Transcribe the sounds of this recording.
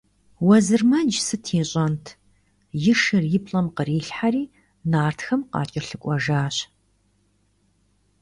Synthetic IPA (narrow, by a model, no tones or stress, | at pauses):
wɐzɨrmɐd͡ʒsɨtʰiːɕʼɐntʰ | jɪʂɨrjɪpʼɬʼɐmqəriːɬħaɾiː | naːrtʰxɐmqɑ̰ːt͡ʃʼɪrɬɨkʷʼɔʒaːɕ